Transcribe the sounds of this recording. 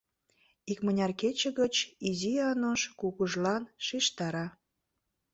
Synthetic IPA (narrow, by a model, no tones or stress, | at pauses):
ikmənʲɑrket͡ɕə̆ɣət͡ɕiziɑnoʃkuɣuʒlɑnʃiʃt̪ɑɾɑ